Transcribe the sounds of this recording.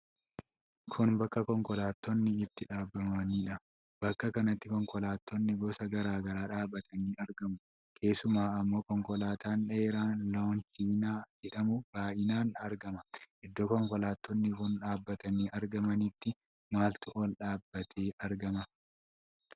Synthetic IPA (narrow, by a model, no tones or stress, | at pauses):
kʰʊnbɐkːɐkɔŋkɔlaːt̪ːɔnːɪɪt̪ːɪᶑaːbːɐmɐniːᶑɐ | b̥ɐkːɐkɐnɐt̪ːɪkɔŋkɔlaːt̪ːɔnːɪɡɔsɐɡɐɾaːɡɐɾaːᶑaːbːɐt̪ʰɐniːʔɐɾɡɐmʊ | kʰe̞ːsʊmaːɐmːo̞ːkɔŋkɔlaːt̪aːnᶑɐeːɾaːnloːnt͡ʃiːnaːd͡ʒɛᶑɐmʊb̥aːʔɪnaːnɐɾɡɐmɐʔɪd̪ːɔkɔŋkɔlaːt̪ːɔnːɪkʊnᶑaːbːɐt̪ɐniːʔɐɾɡɐmɐniːt̪ːɪ | maːlt̪ʊʔolᶑaːbːɐt̪ʰeːʔɐɾɡɐmɐ